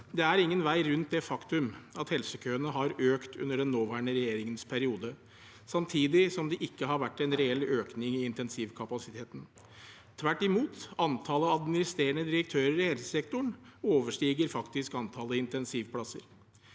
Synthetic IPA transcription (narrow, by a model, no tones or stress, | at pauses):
d̪ɛæɾɪŋːənʋæɪɾʉnt̪̚d̪ɛfɑkt̪ʉmɑt̪hɛlsəkʰøːənəɦɑɾøːkt̪ʉ̰nːəɖɛnːoːʋæːɳəɾɛjeːɾɪŋənspʰæɾɪuːd̪ə | sɑmt̪ʰiːd̪ɪsɔmd̪ɛʔɪkːəɦɑɾʋæʈːɛɪnɾɛɛløːknɪŋɪɪnt̪ɛnsiːʋkʰɑpɑsɪt̪ʰeːt̪n̩ | t̪ʰʋæʈːɪmuːt̪ɑnt̪ʰɑːləɑd̪mɪnɪst̪ɾeːəɳəd̪ɪɾək̚t̪ʰøːɾəɾɪhɛlsəsɛk̚t̪ʊɳoːʋəʂʈiːɡəɾfɑkt̪ɪskɑnt̪ʰɑːləɪnt̪ɛnsiːʋpʰlɑsə̰ɾ